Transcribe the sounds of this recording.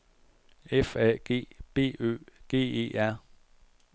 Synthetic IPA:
efɛ̰ɡ̥e̝̰ːb̥e̝̰ːø̰ːɡ̥e̝̰ːe̝̰ːʔæɐ̰

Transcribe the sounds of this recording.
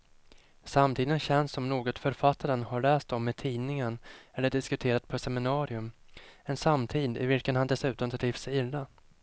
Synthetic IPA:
samt̪ʰiːd̪ənɕɛnsːɔmnoːɡɔt̪fœɾfat̪ʰːaɾənhaɭɛːst̪ɔmːɛt̪ʰiːnɪŋəɳɛlːəɖɪskɵt̪ʰeːɾat̪̚pʰɔsɛmɪnɑːɾɪɵmɛnsamːt̪ʰiːd̪ɪ̰vɪlkənhand̪ɛsʉ̟ːt̪ɔmt̪ʰɾɾiːfsɛjɪlːa

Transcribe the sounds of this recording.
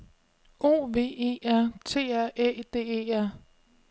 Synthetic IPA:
o̝̰ːʋe̝̰ːe̝̰ːæɐ̰t͡sʰe̝̰ːæɐ̰ʔed̥e̝̰ːeːæɐ̰

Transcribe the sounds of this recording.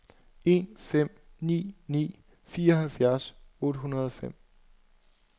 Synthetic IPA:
e̝nfem̰nḭːnḭː | fiːɐɒɦælfjæɐsɔ̽ːd̥əɦunɐð̞ˠɒ̽fem̰

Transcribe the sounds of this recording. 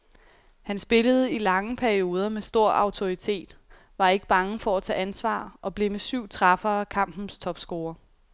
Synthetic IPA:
hænsb̥e̝ləð̞̩ˠəilɑ̈ŋəpʰæɐio̝ːð̞ˠɐmesd̥o̝ɐ̰ʔɑ̈ʊt͡sʰo̝it͡sʰe̝̰ːd̥ | ʋɑ̈e̝ɡ̥əb̥ɑ̈ŋəfɒ̽æt͡sʰɛ̰ːænsʋɑ̰̈ːʔɒ̽b̥le̝mesyʊ̰t͡sʰʁɑ̈fɐːkʰɑ̈m̰b̥n̩st͡sʰɒ̽b̥sɡ̥o̝ːɐ

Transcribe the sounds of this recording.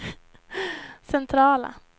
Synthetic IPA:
sɛnt̪ʰɾɑːla̰

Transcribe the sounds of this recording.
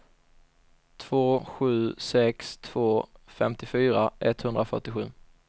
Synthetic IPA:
t̪ʰv̥oːɧʉ̟ːsɛkst̪ʰv̥oːfɛmt̪ɪfyːɾaʔɛt̪hɵnd̪ɾafœ̰ʈɪɧʉ̟ː

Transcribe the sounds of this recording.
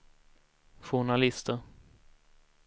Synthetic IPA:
ɧʊɳalɪst̪əɾ

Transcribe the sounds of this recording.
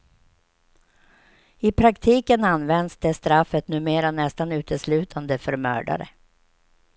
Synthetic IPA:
ɪpʰɾakt̪ʰiːkənanːvɛnd̪sd̪ɛst̪ɾafːət̪nʉ̟ːmeːɾanɛst̪anʉ̟ːt̪ʰəslʉ̟ːt̪ʰand̪əfœɾmœ̰ːɖa̰ɾə̰

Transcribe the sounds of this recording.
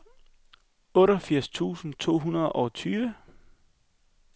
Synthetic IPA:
ɔ̽ɾɒfiɐ̰st͡sʰṵːsn̩t͡sʰo̝̰ːɦunɐð̩ˠɒ̽t͡sʰyːʋə

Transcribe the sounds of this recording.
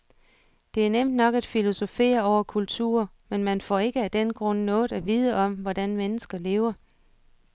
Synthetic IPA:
d̥e̝æɐnem̰d̥nɒ̽ɡ̥æd̥filo̝so̝fe̝̰ːɐɒʊɐkʰult͡sʰṵːɐ | menmænfɒ̰e̝ɡ̥əæd̥enɡ̥ʁɔ̽n̰nɔ̽ːð̩ˠæʋiːð̞ˠəɒ̽mʋɒd̥ænmenəsɡ̥ɐle̝ːʊɐ

